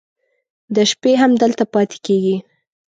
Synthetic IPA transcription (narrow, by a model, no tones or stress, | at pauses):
d̪əʃpeɦamd̪əlt̪apɑt̪e̥keɡi